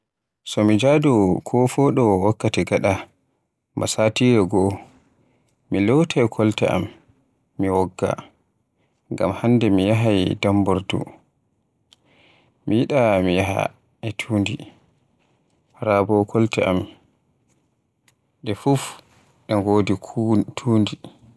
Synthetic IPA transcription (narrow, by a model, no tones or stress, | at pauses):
sɔmid͡ʒadɔkʰɔfɔɗɔwakːatɛɡaɗa | ma̰saːtiɾɛɡɔ | milɔwtʰajkʰɔltɛ̰ʔa̰mː | iwɔɡːa̰ | ŋɡamhandɛmijaɦajdambɔɾdṵ | mijiɗamijaɦa̰ | ʔɛtʰuːndi | ɾabɔkʰɔltɛ̰ʔa̰m | ɗɛfuf | ɗɛŋɡoːditʰuːndi